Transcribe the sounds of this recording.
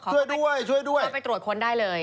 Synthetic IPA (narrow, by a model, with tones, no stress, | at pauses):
kʰːu˥˩əjdu˥˩əjt͡ɕʰu˥˩jdu˥˩ə˥˩pa˧jt̪ɾu˨˩t̪̚kʰo˧ndaː˥˩jlɤː˧j